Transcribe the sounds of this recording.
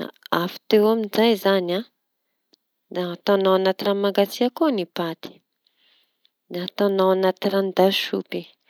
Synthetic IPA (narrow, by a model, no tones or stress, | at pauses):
a̰afi̥t̪ewaminzajzana | d̪at̪anawanat̪iramaɡat͡siakonipat̪i̥ | d̪at̪anawanat̪irand̪aʃṵpi